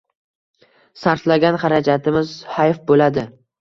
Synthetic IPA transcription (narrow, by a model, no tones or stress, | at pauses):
saɾt̪laɡʲanχaɾad͡ʒat̪ʰɪmɪz̥hajfbolad̪ɪ